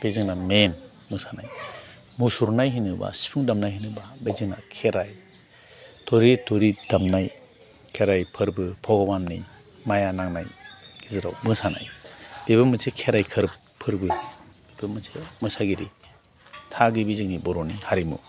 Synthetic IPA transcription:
b̥ezɯŋnamen | mɯŋsanaj | musuɾnajɦinɯba̰si̥pʰuŋdamnajɦinɯbabezɯŋna̰kʰeɾaj | tɔɾitoɾidamnaj | kʰeɾajpʰɯɾbɯpʰɔɡɔbannḭ | majanaŋnajɡizɯɾawbɯŋsana̰jb̥ebɯmɯnsekʰeɾajkʰɯɾp | pʰːɯɾbɯb̥ebɯmɯsemɯsaɡiɾi | tʰaɡɯbizɯŋnibɔɾɔnihaɾimṵ

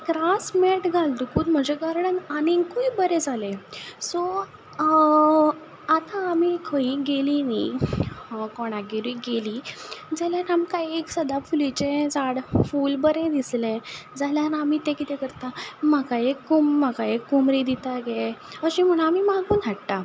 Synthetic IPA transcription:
kɾasmeʈɡʱald̪ukuːt̪m̤əd͡ʑeɡəɾɽənanikuibəɾẽd͡zʱalẽsɔ | at̪aːmikʰəiɡelini | kɔɽ̃aɡeɾuiɡelid͡zaljaɾamkaieksəd̪afulit͡ɕẽd͡zaɽfulbəɾẽd̪islẽd͡zaljaɾamit̪ẽkit̪ɛkəɾt̪amakajekumːakajekːumɾid̪it̪aɡe | əɕĩm̤əɽ̃aːmimaɡuːnaʈʈ̪a

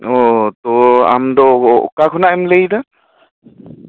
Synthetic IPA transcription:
ɔt̪ɔa̰md̪ɔɔʔkakʰɔnaʔɛmləjd̪a

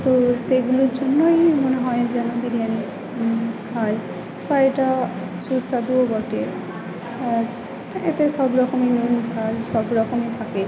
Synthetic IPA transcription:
t̪oseɡuluɾd͡ʒonːojmoneɦɔjd͡ʒɛnobiɾijani | kʰaj | pajeʈa | susad̪uoɡɔʈieɾ | aɾ | et̪esɔbɾɔkɔmenund͡ʒʱalsɔbɾɔkɔmet̪ʰake

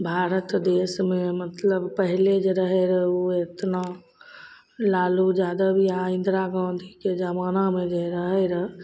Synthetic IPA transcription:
bʱaːɾət̪d̪eːsmẽmət̪ləbpəɦiled͡ʒeɾəɦeɾəɦoet̪na | laːlud͡ʒjaːd̪abʱiaɪ̃nd̪ɾaɡãːd̪ʱiked͡ʒəmaːnamẽd͡ʒeɾəɦɛɾə

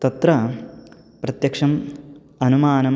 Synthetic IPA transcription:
t̪ɐt̪ɾɐ | pɾɐt̪jɐkʂɐm | ɐnumaːnɐm

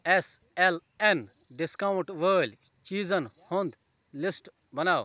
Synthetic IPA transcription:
es | el | en | ɖɪskauɳʈʋəːlʲ | t͡ʃiːzɐnhond̪ | lisʈ | bɐnaːw

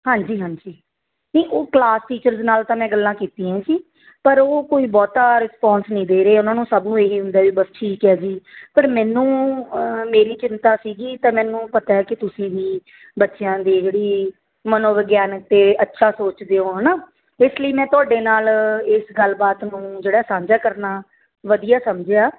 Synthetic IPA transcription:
hãːɲd͡ʒiːɦãːɲd͡ʒiː | nəːʔoːklaːsʈiːt͡ʃəɾznaːlt̪ãːmɛ̃ːɡəlːãːkiːt̪iːãɛ̃ːsiː | pəɾoːkoːiːbɔːt̪aːɾɪspɔːnsnəĩːd̪eːɾeːʊnãːnũːsəbnũːeːɦiːɦʊ̃nd̪aːʋiːbəsʈʰiːkɛːd͡ʒiːpəɾmɛ̃ːnũː | meːɾiːt͡ʃɪnt̪aːsiːɡiːt̪ãːmɛ̃ːnũːpət̪aːɛːkɪt̪ʊsĩːʋiː | bətːʃɪjãːd̪iːd͡ʒeːɽiː | mənõːʋəɡjaːnək̚t̪eːʔətːʃʰaːsoːt͡ʃd̪eːõːɦɛnaː | ɪsləiːmɛ̃ːt̪ʊaːɖeːnaːlɪsɡəlbaːt̪nũːd͡ʒeːɽaːsãːɲd͡ʒaːkəɾnaː | ʋəd̪ijaːsəmd͡ʒeaː

